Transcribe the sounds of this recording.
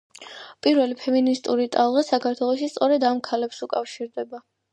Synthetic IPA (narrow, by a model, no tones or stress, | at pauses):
pʼiɾvɛlipʰɛminist̪ʼuɾit̪ʼalˠʁasakʰaɾt̪ʰwɛlˠɔʃist̪sʼɔɾɛd̪amkʰalɛpsukʼafʃiɾd̪ɛba